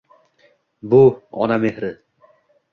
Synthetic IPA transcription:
buɒ̰namehɾɪ

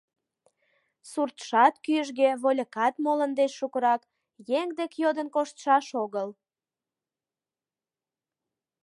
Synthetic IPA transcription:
surt̪ʃɑt̪kyəʒɣeβolʲəkɑt̪molənd̪eʃːukəɾɑk | jeŋd̪ekjod̪ənkoʃt̪ʃɑʃoɣəl

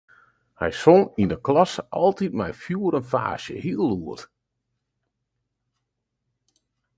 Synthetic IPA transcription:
hɛ̰jsoŋindəklɑsəʔɔlˠtitmɛ̰jfjuəɾənfa̰ːʃjə̰hiəlˠuət

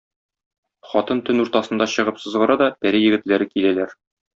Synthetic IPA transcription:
χɒt̪ɤnt̪ɵnuɾt̪ɑsɤ̆nd̪ɑɕɤ̆ʁɤpsɤ̆zʁɤ̆ɾɑd̪ɒbæɾijɘ̆ɡɘ̆t̪læɾɘkilælæɾ

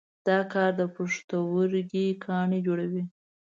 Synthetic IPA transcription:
d̪̥ɑkɑɾd̪əpəʂt̪əwəɾɡikʰɑɳed͡ʒoɽawi

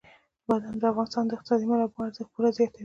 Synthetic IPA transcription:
bad̪and̪əafɣɑnɪst̪ɑnd̪əɪq̚t̪ɪsɑd̪imalabwaɾzapuɾazjɑt̪a

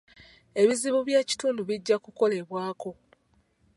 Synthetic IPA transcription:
e̞βiziβuβjaːci̥tuːnduβiɟːakuko̞le̞βwaːko̞

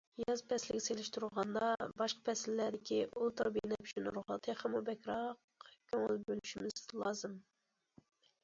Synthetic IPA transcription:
jɑzpʰɛslɪɡʲɛselɪʃt̪uɾʁɑnd̪ɑbɑʃqɑ̥pʰɛsɪlːæɾd̪ɪkʲʰiʔulˠt̪ɨɾbinɛpʰyt͡ʃʰynɾoχɑt̪ʰɨχæmubɛkʲɾɑq | kʲʰøŋlbølyʃimɪz̥lˠɑːzɨm

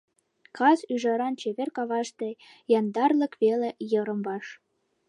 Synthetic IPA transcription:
kɑsyʒɑɾɑnt͡ɕeβʲerkɑβɑʃt̪e | jɑnd̪ɑrlɤ̆kβelejɤ̆ɾɤ̆mbɑʃ

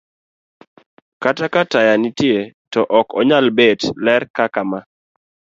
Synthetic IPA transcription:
katakatajanitjetɔʔɔkɔɲalbedlɛrkakama

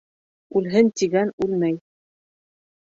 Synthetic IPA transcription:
ʉlɦɘnt̪iɡænʉlmæj

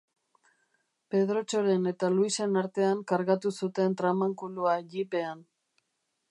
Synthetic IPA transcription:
pe̞ð̞ɾo̞t͡ʃo̞ɾe̞ne̞t̪aluise̞naɾt̪e̞aŋkaɾɣat̪usut̪e̞nt̪ɾamaŋkuluaʎipe̞an

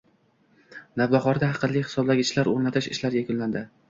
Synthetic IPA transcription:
navbɑχɒɾd̪aɦɑqʰɨnlːɪhɪ̥sɒblaɡʲɪt͡ʃlaɾo̰ɾnat̪ʰɪʃɪ̰ʃlaɾjakʰʲʊnland̪ɪ

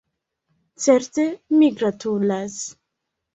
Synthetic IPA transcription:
t͡seɾtemiɡɾatulas

